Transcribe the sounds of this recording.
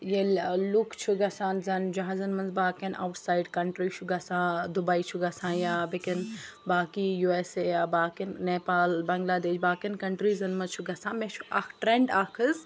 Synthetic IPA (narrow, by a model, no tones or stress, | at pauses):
jellukt͡ʃʰuɡɐsaːnzɐnd͡ʒɐɦazɐnmɐnzbaːkena̰wʈʰsaːjiɖkɐɳʈɾiːt͡ʃʰuɡɐsãːd̪ubɐit͡ʃʰuɡɐsãːjaːbekɐn | baːkijuesejaːbaːkenneːpaːlbɐŋɡlaːd̪eːt͡ʃʰbaːkɐnkɐɳʈɾizɐnmɐnzt͡ʃʰuɡɐsãːmet͡ʃʰu̥a̰kʰʈɾeɳɖaːkʰɨz